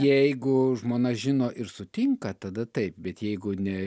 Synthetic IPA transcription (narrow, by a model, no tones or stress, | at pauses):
jɛɪɡʊʒmoːnɐʒʲɪnoːʔɪɾsʊt̪ʲɪŋkɐt̪ɐd̪ɐt̪ɐɪp̚bʲɛt̪jɛɪɡʊnʲɛ